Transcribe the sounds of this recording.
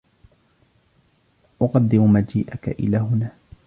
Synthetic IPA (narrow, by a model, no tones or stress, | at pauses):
ʔʊqɑd̪ːɪmmad͡ʒiːʔaka̰ʔɪ̰laːɦʊnaː